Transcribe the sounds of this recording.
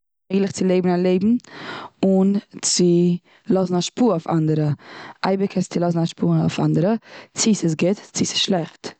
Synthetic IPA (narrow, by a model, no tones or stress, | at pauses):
eɪɡlˠɪχt͡sɪlˠeɪbmn̩alˠeɪbm̩ | ʊnt͡sɪ | lˠɔzn̩aʃpuːʊfa̰ndəɾəʔa̰ɪbəkəst͡sɪlˠɔsn̩aʃpuːa̰ʊfa̰ndəɾət͡sɪsɪs̬ɡɪtt͡sɪsɪ̥ʃlˠɛχt